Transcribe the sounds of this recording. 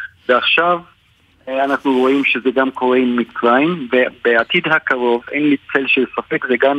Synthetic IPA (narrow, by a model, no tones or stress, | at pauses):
veaχʃav | anaχnuʁo̞imʃezeɡamkʰo̞ʁe̞imːikt͡sʁaimvebeat̪id̪ɦakaʁo̞vḛjnlit͡se̞lʃelsafe̞kzeɡam